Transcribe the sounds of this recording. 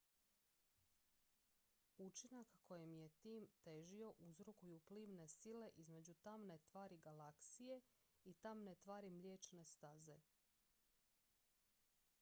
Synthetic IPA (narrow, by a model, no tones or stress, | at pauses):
ut͡ʃinakːo̞jemje̞t̪iːmt̪e̞ʒio̞ʔuzɾokujupliːʋne̞sile̞ʔizme̞d͡ʑut̪amne̞t̪ʋaːɾiɡalaksije̞ | it̪amnet̪ʋaːɾimʎʲeːt͡ʃne̞st̪aze̞